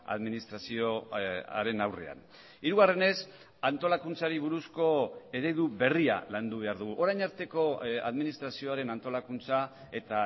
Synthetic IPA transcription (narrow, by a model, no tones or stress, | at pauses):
a̰ðminist̪ɾasioa̰ɾe̞nawre̞̰a̰n | iɾuɣ̞are̞ne̞s | ant̪o̞lakunt͡saɾiβ̞uɾusko̞e̞ɾe̞ðuβe̞ria̰land̪uβ̞e̞aɾðuɣ̞uʔo̞ɾajɲaɾt̪e̞ko̞a̰ðminist̪ɾasio̞aɾe̞nant̪o̞lakunt͡sa | e̞t̪a